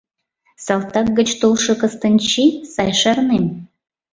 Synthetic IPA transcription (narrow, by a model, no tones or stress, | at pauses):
sɑlˠt̪ɑk̚ɡət͡ɕt̪olʃɤ̆kə̆st̪ənʲt͡ɕisɑjʃɑrnem